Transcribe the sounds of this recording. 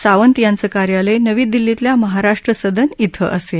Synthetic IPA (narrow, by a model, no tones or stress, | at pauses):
saʋənt̪jant͡səːkaɾjaləjnəʋiːd̪ilːit̪ljaməɦaɾaʂʈɾəsəd̪ʱənit̪ʰə̰ʔəse